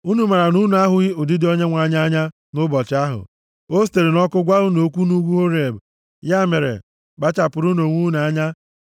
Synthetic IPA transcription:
u˦nu˨ma˨ɾa˨nu˦nu˨˦a˦ɦʊ˨˦ɣi˦ʊ˨di˦dɪ˦o˦ɲe˦ŋʷa˨˦ɲa˦ɲa˦ | nʊ˦bɔ˨t͡ʃɪ˨˦a˦ɦʊ̰˨ | o˦s̬te˨ɾe˨nɔ˦kʊ˦ɡʷa˦ɦʊ˦no˨˦kʷu˦nu˦ɡʷu˦ɦo˦ɾe˨b | ja˦˨me˨ɾḛ˨ | ɡ͡ba˦t͡ʃa˨pʊ˨ɾʊ˦no˨ŋʷu˦n˨a˦ɲa˦

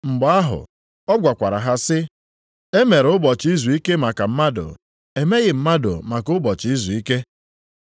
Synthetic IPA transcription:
ŋ͡m̩˨ɡ͡ba˦ɦʊ̰˨ | ɔ˦ɡʷa˨kʷa˨ɾa˨ɦa˦sɪ˦ | e˦me˨ɾʊ˦bɔ˨t͡ʃi˦zu˨i˦ke˦ma˨ka˨m̩˦ma˦dʊ̰˨ | e˨me˦ɣɪ˨m̩˦ma˦do̰˨ma˨kʊ˦bɔ˨t͡ʃɪ˨i˦zu˨i˦ke˦

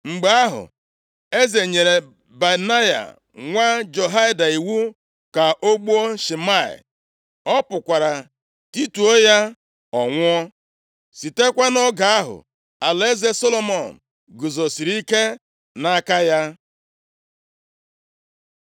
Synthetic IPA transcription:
ŋ͡m̩˨ɡ͡ba˦a˦ɦʊ̰˨ | e˦ze˨ɲe˨ɾe˨ | ba˨na˦ja̰˨ | ŋʷa˦d͡ʒo˨ɦa˦ɪ˦da˨i˨wu˦ | ka˨ʔo˦ɡ͡bu˦o˦ʃi˨ma˦˨ɪ̰˨ | ɔ˦pʊ˨kʷa˨ɾa˨ | ti˦tu˨o˦ja˦ | ɔ˨ŋʷʊ˦ɔ˦ | si˨te˦kʷa˦nɔ˦ɡa˨a˦ɦʊ̰˨ | a˨le˦ze˦so˦lo˦mɔ˨n̩˨ | ɡu˨zo˨si˨ɾi˦ke˦ | na˦ka˦ja˦

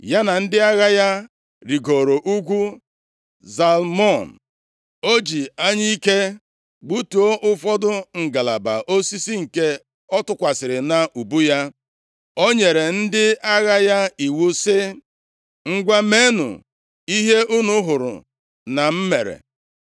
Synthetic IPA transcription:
ja˦na˨n̩˦dɪ˦a˦ɣa˦ja˦ | ɾi˨ɡo˨ɾo˨ʔu˦ɡʷu˦ | za˨lmɔ˦˨n̩˨ | o˦d͡ʒi˨a˦ɲi˦i˦ke˦ | ɡ͡bu˦tu˨o˦ʔʊ˦fɔ˦dʊ˦ŋ̩˨ɡa˨la˨ba̰˨ʔo˦si˦si˦ŋ̩˨ke˦ | ɔ˦tʊ˦kʷa˨sɪ˨ɾɪ˨na˨ʔu˨bu˦ja˦ | o˦ɲe˨ɾe˨n̩˦dɪ˦a˦ɣa˦ja˦i˨wu˦sɪ˦ | ŋ̩˦ɡʷa˦me˦nʊ̰˨ | i˦ɦe˦ʔu˦nʊ˦ɦʊ˨ɾʊ̰˨ | na˨m̩˦me˨ɾḛ˨

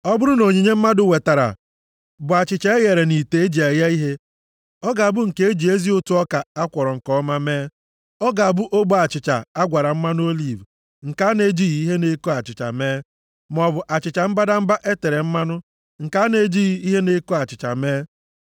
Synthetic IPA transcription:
ɔ˦bʊ˦ɾʊ˦no˨ɲi˨ɲe˦m̩˦ma˦dʊ˨we˨ta˨ɾa̰˨ | bʊ˨a˨t͡ʃɪ˨t͡ʃa˦e˦ɣe˨ɾe˨ni˨te˨˦e˦d͡ʒi˨e˨ja˦i˦ɦe˦ | ɔ˦ɡa˨a˨bʊ˦ŋ̩˨ke˦e˦d͡ʒi˨e˦zi˦o˦tu˦ɔ˦ka˨a˦kʷɔ˨ɾɔ˨ŋ̩˨kɔ˦ma˦meː˦ | ɔ˦ɡa˨a˨bʊ˦ʔo˦ɡ͡bo˦a˨t͡ʃɪ˨t͡ʃa̰˨a˦ɡʷa˨ɾa˨m̩˦ma˦nʊ˦o˦li˨v | ŋ̩˨ka˦ne˦d͡ʒi˦ɣi˨˦i˦ɦe˦ne˦ko˦a˨t͡ʃɪ˨t͡ʃa̰˨meː˦ | m˨ɔ˨bʊ˨ʔa˨t͡ʃɪ˨t͡ʃa˨m̩˦ba˦da˦m̩˦ba˦ʔe˦te˨ɾe˨m̩˦ma˦nʊ˦ | ŋ̩˨ka˨˦ne˦d͡ʒi˦ɣi˦i˦ɦe˦ne˦ko˦a˨t͡ʃɪ˨t͡ʃa̰˨meː˦

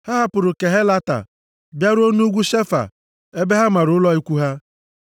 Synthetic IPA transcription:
ha˦ɦa˦pʊ˨ɾʊ˨ke˨ɦe˦la˦ta̰˨ | bja˦ɾʊ˦o˦nu˦ɡʷu˦ʃe˦fa̰˨ | e˦be˦ɦa˦ma˨ɾʊ˨˦ʊ˦lɔ˦i˦kʷu˦ɦa˦

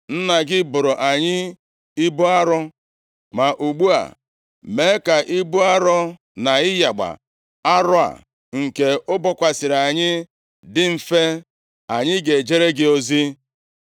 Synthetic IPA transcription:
n̩˦na˨ɡɪ˦bʊ˨ɾʊ˨ʔa˨ɲɪ˦ | i˦bʊ˦a˦ɾʊ˦ | ma˨ʔu˨ɡ͡bu˦a̰˨ | me˨˦ka˨ʔɪ˦bʊ˦a˦ɾɔ˦ | na˨ɪ˦ja˨ɡ͡ba̰˨ | a˦ɾʊ˦a̰˨ | ŋ̩˨ke˨ʊ˦bɔ˦kʷa˨sɪ˨ɾa˨ɲɪ˦ | dɪ˦m̩˨fe˦ | a˨ɲɪ˦ɡe˨d͡ʒe˦ɾe˦ɡɪ˦o˦zi˦

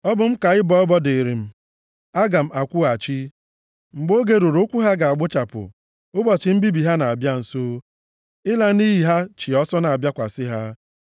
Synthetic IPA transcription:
ɔ˦bʊ˦m̩˦ka˨ɪ˦bɔ˦ɔ˦bɔ˦de˨ɾi˨m̩˦ | a˦ɡa˨m̩˦a˨kʷʊ˦a˨t͡ʃi˦ | ŋ͡m̩˨ɡ͡bo˦ɡe˦ɾu˨ɾʊ˦kʷu˦ɦa˦ɡa˨a˨ɡ͡bʊ˦t͡ʃa˨pʊ̰˨ | ʊ˦bɔ˨t͡ʃɪ˨m̩˦bi˦bi˨ɦa˦na˨a˨bja˦n̩˨so˦ | ɪ˦la˨ni˦ɦi˨ɦa˦t͡ʃi˨ɔ˦sɔ˦na˨a˨bja˦kʷa˨sɪ˦ɦa˦

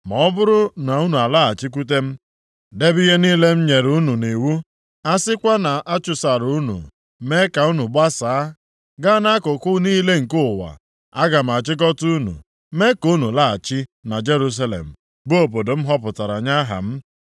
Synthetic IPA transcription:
mɔ˨ɔ˦bʊ˦ɾʊ˦na˨u˦nu˨a˨la˦˨a˨t͡ʃɪ˦k̬u˦t̬e˦m̩˦ | de˦bi˦ɦe˦niː˦le˦m̩˦ɲe˨ɾu˨˦nu˨ne˨wu˦ | a˦sɪ˦kʷa˦na˨ʔa˦t͡ʃʊ˨sa˨ɾu˨˦nṵ˨ | me˦ka˨u˦nu˨ɡ͡ba˦saː˨a˦ | ɡa˦na˦kʊ˨kʊ˦niː˦le˦ŋ̩˨kʊ˦˨wa̰˨ | a˦ɡa˨m̩˨a˨t͡ʃɪ˦k̬ɔ˦tu˦u˦nṵ˨ | me˦ku˦nu˨la˦˨a˨t͡ʃɪ˦na˨d͡ʒe˦ɾu˦s̬a˦lḛ˨m̩˨ | bo˦o˨p̬o˨do˨m̩˦ɦɔ˦pʊ˨ta˨ɾa˨ɲa˦ɦa̰˨m̩˦

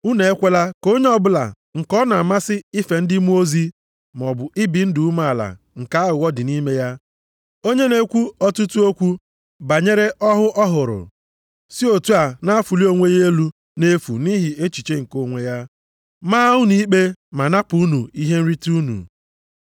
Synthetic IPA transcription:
u˦ne˨e˦kʷe˦la˦ko˦ɲe˦ɔ˦bʊ˦la̰˨ | ŋ̩˨kɔ˦na˨ma˦sɪ˦i˦fe˨n̩˦dɪ˦mu˦o˦zi˦ | m˨ɔ˨bʊ˨ʔɪ˦bi˨n̩˦du˨u˦ma˦˨a˨la̰˨ | ŋ̩˨ka˨˦ɦʊ˨wɔ˦dɪ˨ni˦me˦ja˦ | o˦ɲe˦ne˦kʷu˦ɔ˦tu˦tu˦o˦kʷu˦ | ba˨ɲe˦ɾe˦ʔɔ˦ɦʊ˦ʔɔ˦ɦʊ˨ɾʊ̰˨ | si˦o˨tu˦a˨na˦a˦fu˨li˦o˦ŋʷe˦je˦lu˦ | ne˦fṵ˨ni˦ɦɪ˨e˦t͡ʃi˨t͡ʃe˦ŋ̩˨ko˨ŋʷe˨ja˦ | ma˦ʊ˦ni˦k͡pe˦ma˨na˦pʊ˨u˦nu˨i˦ɦe˦n̩˦ɾi˦ti˦u˦nṵ˨

